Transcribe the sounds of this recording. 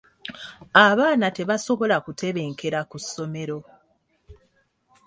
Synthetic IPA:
aβaːnate̞βaso̞βo̞lakute̞βe̞ːŋkʰe̞ɾakusːo̞me̞ɾo̞

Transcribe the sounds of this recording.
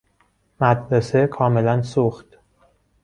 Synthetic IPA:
mæd̪ɾesekʰɒːme̞lænsuxt̪

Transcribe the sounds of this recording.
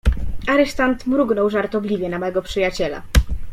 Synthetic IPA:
aɾɛʂt̪ant̪mɾuɡnɔwʐaɾt̪ɔblʲivʲjɛnamɛɡɔpʂɘjat͡ɕɛla̰

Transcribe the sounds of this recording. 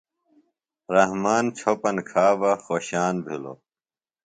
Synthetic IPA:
ɾɐɦmaːnt͡ɕʰopɐnkʰaːbɐxoːɕaːnbʱilo̰

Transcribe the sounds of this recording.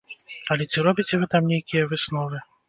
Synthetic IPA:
ɐlʲɛt͡sʲiɾɔbʲit͡sʲɛvɨt̪amnʲejkʲijɐvɨsnɔvɨ

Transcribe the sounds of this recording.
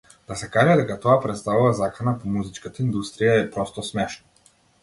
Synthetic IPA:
d̪̥asɛkaʒɛd̪ɛkat̪ɔapɾɛt̪st̪avuvazakanapɔmuzit͡ʃkat̪aind̪ust̪ɾijaɛpɾɔst̪ɔsmɛʃna

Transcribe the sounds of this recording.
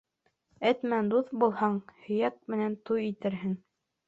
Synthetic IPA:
ɘt̪mænd̪uθbulˠhɑɴhɵ̆jæk̚mɘ̆nænt̪ujit̪ɘ̆ɾɦɘŋ

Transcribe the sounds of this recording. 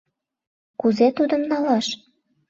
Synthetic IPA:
kuzet̪ud̪ə̆mnɑlɑʃ

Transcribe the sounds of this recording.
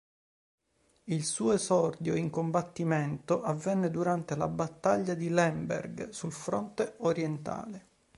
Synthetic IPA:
ilsuːesɔrd̪joiŋkombat̪ːiment̪oʔavːɛnːed̪uɾant̪ela̰bat̪ːaʎːad̪ilɛmbḛrɡsulfɾo̰nt̪eoɾjent̪a̰ːle

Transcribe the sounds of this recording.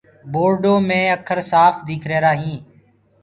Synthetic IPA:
boːɾɖoːmẽːəkʰəɾsaːfd̪iːkʰɾeːɾaːɦĩː

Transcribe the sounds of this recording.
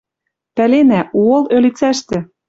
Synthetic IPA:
pælenæʔuɤ̆lølit͡sæʃt̪ɘ̆

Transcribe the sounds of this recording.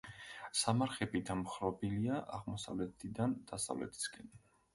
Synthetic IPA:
samaɾχɛbid̪amχɾɔbiliaʔaʁmɔsa̰vlɛt̪ʰid̪and̪̥asa̰vlɛ̰t̪ʰi̥sɡɛn

